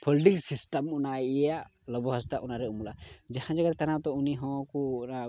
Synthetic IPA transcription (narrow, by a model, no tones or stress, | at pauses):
pʰɔlʈiksisʈamunaija | lɔbɔɦɔst̪aʔunaɾɛumulad͡ʒahãd͡ʒaɡaɾt̪anat̪ɔuniɦɔ̃ku